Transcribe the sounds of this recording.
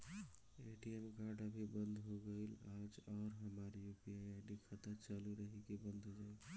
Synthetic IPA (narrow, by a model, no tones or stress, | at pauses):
eʈiemkaɾɖəbʱibənd̪ʱɦoɡəɪlad͡ʒɔːɾɦəmaɾjupiajaɖikʰət̪at͡ʃaluɾəɦikebənd̪ʱod͡ʒa